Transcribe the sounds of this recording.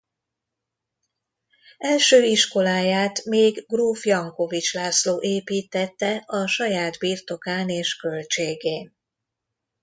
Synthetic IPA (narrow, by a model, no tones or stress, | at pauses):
ɛlʃøːiʃko̞laːjaːt̪meːɡɡruːfjɒŋko̞vit͡ʃlaːsloːʔeːpiːt̪ɛt̪ːɛʔɒʃɒjaːd̪biːrt̪o̞kaːneːʃkø̞lt͡ʃeːɡeːn